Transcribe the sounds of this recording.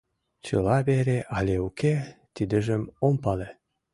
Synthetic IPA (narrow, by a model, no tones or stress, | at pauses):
t͡ɕɯ̰lˠɑbeɾʲeʔalʲeuket̪id̪ɘ̆ʒɘ̆mompɑlʲe